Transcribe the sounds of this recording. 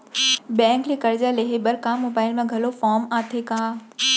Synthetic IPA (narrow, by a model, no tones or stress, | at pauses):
bɛ̃ːŋklekɐɾd͡ʑaːleɦeɓɐɾkãːmːoːbaːɪlmẽɡʱɐlofaːɾmaːt̪ʰekãː